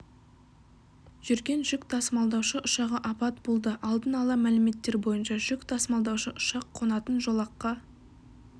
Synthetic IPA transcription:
ʒ̥ʏɾɡʲe̞nʒʏkt̪ʰɑsəmɑlˠd̪ɑwʃəʔʊʃɑʁəʔɑpɑt̪bo̞lˠd̪əʔɑlˠd̪ənɑlˠɑmælɪme̞t̪ːe̞ɾbo̞jənʃɑʒʏkt̪ʰɑsmɑlˠd̪ɑwʃəʔʊʃɑqʰːo̞nɑt̪ənʒolˠɑqːɑ

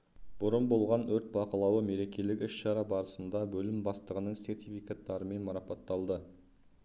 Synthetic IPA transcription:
b̥ʊɾənbo̞lˠʁɑnɵɾt̪̚bɑqɑlˠɑwəme̞ɾe̞kʲe̞lɪkʲɪsʃɑɾɑbɑɾəsənd̪ɑbɵlɪmbɑst̪əʁənəɴse̞ɾt̪ijfikat̪ːɑɾəme̞nmɑɾɑpɑt̪ːɑlˠd̪ə

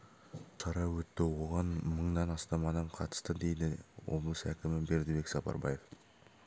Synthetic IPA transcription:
ʃɑɾɑwɵt̪ːɪwo̞ʁɑnməɴd̪ɑnɑst̪ɑmɑnɑɴqʰɑt̪ə̥st̪əd̪e̞jd̪ɪwo̞̰blˠəsækʲɪmɪbe̞ɾd̪ɪbe̞ksɑpɑ̰ɾbɑje̞f

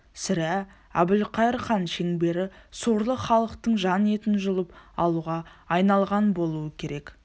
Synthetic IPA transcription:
sɪɾæ | æ̰bɪlqʰɑjəɾχɑnʃe̞ŋbe̞ɾɪsoɾlˠəχɑlˠəqt̪əɴʒɑne̞t̪ɪnʒʊlˠəpɑlˠuʁɑːjnɑlˠʁɑnbo̞lˠuəkʲʰe̞ɾe̞k

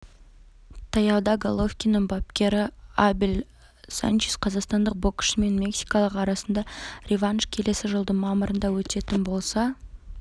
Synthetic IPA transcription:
t̪ʰɑjɑwd̪ɑɡolˠofkʲinəɴbɑp̚kʲe̞ɾɪabil | sa̰nt͡ʃisqʰɑzɑqst̪ɑnd̪əq̚bokʲʃme̞nmʲe̞ksi̥jkɑlˠəqɑɾɑsənd̪ɑrʲevanʃkʲʰe̞le̞sɪʒəlˠd̪əɴmɑməɾənd̪ɑwɵt̪e̞t̪ɪnbo̞lˠsɑ

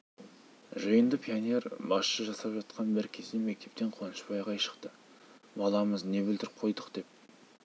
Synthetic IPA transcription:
ʒəjənd̪əpʰijone̞rbɑsʃəʒɑsɑpʒɑt̪qʰɑnbɪɾkʲʰe̞sd̪emek̚t̪e̞p̚t̪e̞ɴqʰonəʃpɑjʁɑjʃə̥qt̪ə | bɑlˠɑməzne̞bɪld̪ɪɾqʰo̞jd̪əqd̪̥e̞p̚

